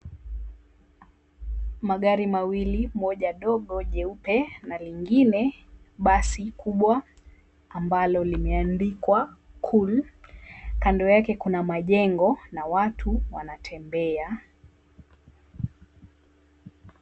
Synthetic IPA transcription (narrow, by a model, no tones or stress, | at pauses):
maɠaɾimawilimɔʄaɗɔɠɔʄɛupɛnaliŋɡinɛ | ɓasikʰuɓwa | ambalɔlimɛandikwakʰul | kandɔjakɛkunamaʄɛŋɡɔnawatʰuwanatʰɛmbɛa